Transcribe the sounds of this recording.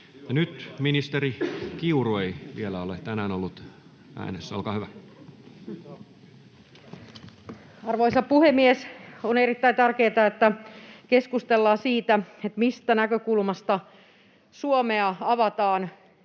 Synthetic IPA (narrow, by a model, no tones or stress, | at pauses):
jɑnyt̪minist̪erikiurueiʋielæolet̪ænæːnolːut̪ | æ̰ːnesːæo̰lkɑːhyʋæ | ɑrʋoisɑpuhemːiesonerit̪ːæint̪ærkeːt̪ɑet̪ːækeskust̪elːɑːsiːt̪æet̪mist̪ænækøkulmɑst̪ɑ | suomeɑɑʋɑt̪ɑːn